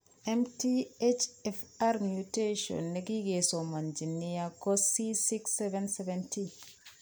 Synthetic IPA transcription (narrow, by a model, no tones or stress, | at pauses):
ɛmtiet͡ʃɛfaɾmjuteʃɔ̰nːeɡiɡesomand͡ʒinːijakɔsisiksɛvɛnsɛvɛnti